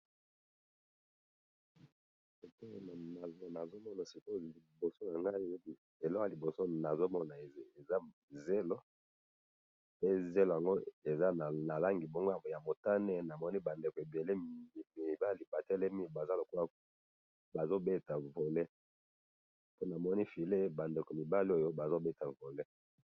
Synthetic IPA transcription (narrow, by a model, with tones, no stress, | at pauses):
e˨ko˦˨n˨na˨zna˨zo˦mɔ˦na˨si˨ko˦li˨bo˨so˦na˨ŋɡa˦i˦˨ | e˨lɔ˦˨a˨li˨bo˨so˦na˨zo˦mɔ˦na˨˦e˨za˦ | ze˦lo˦ | pe˦ze˦lo˨ja˨ŋɡo˦e˨za˦˨na˨la˦ŋɡi˨bo˦ŋɡo˦a˨ja˨mo˨ta˦nɛ˦na˨mɔ˦ni˦ba˨nde˨ko˨e˨be˨le˦˨mi˨ba˦li˨ba˨tɛ˦lɛ˦mi˦ba˨za˦lo˨ko˦a˦ | ba˨zo˦be˦ta˨vo˨le˦ | po˦na˨mɔ˦ni˦fi˨le˦ba˨nde˨ko˨mi˨ba˦li˦o˨jo˦ba˨zo˦be˦ta˨vo˨le˦